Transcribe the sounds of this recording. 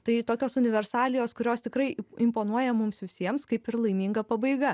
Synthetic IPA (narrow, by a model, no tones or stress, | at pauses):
t̪ɐɪt̪oːkʲoːsʊnʲɪʋʲɛrsɑːlʲɪjoːskʊɾʲoːst̪ʲɪkɾɐɪɪmpoːnuɔjɛmʊmsʋʲɪsʲiɛmskɐɪpɪrlˠɐɪmʲiːŋɡɐpɐbɐɪɡɐ